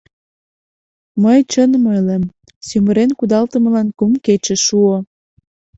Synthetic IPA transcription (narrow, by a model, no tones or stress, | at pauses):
məjt͡ɕənməjlem | syməɾenkud̪ɑlt̪ə̆mə̆lɑnkumket͡ɕĕʃuo